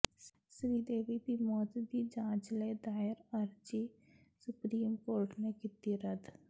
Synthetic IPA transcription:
sɾiːd̪eːʋib̪imɔːt̪d̪id͡ʒãːt͡ʃled̪aːɪɾəɾd͡ʒi | sʊpɾiːmkoːɾʈnekɪt̪iɾəd̪

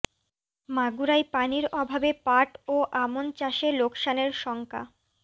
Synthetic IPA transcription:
maɡuɾajpaniɾɔbʱabepaʈoʔamont͡ɕaʃelokʃaneɾʃɔŋkʰa̰

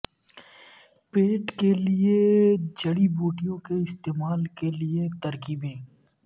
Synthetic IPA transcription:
peːʈkelied͡ʒɐɽibuːʈijõkeɪst̪eːmaːlkeliet̪ɐɾkiːbẽː

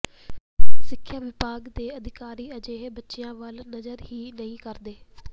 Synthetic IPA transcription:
sɪkʰːjaːʋɪpaːɡd̪eːəd̪ɪkaːɾiːəd͡ʒeːbətːʃɪjãːʋəlnəzəɾɦiːnəĩːkəɾd̪eː

